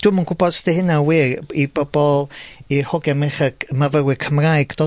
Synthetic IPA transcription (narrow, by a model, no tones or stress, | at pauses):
d̥ʊmənkʰʊbɔd̥stɛhɪnawirib̥ɔbɔlˠihɔɡɛmɪχəɡ̥mavəwɪkʰəmrajɡ̥d̥oː